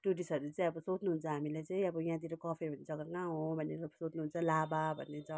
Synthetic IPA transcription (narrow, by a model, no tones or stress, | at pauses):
ʈuʈisʌɾut͡sʌĩʌbʌsot͡snuɦunt͡sʰʌɦamilajt͡sʌĩʌbʌjãt̪̬iɾokʌpʰebʱʌned͡zʌɡʌkãɦõbʱʌnːeɾasot͡snuɦunt͡sʰʌlababʱʌ̰nːet͡sʰʌ